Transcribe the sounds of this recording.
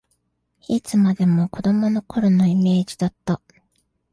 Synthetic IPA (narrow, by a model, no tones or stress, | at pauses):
it͡sɨmad̪e̞mo̞ko̞d̪o̞mo̞no̞ko̞ɾono̞ime̞ːd͡ʑid̪at̪ːa